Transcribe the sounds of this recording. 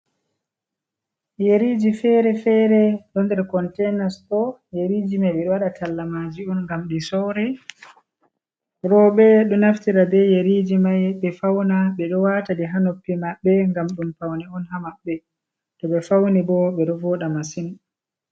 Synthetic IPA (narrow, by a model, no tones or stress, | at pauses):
jeɾid͡ʒifɛɾɛfɛɾɛɗɔndɛɾkɔntɛnastɔjeɾiːd͡ʒimajɓɛɗɔwaɗatalːamad͡ʒiɔnŋɡamɗisɔwɾɛ | ɾɔɓɛɗɔnaftiɾabɛjeɾid͡ʒimajɓɛfawnaɓɛɗɔwatadiɦanopːimaɓːɛŋɡamɗumpawnɛɔnhamaɓːɛ | ɗɔɓɛfawnibɔɓɛɗɔvɔɗamasin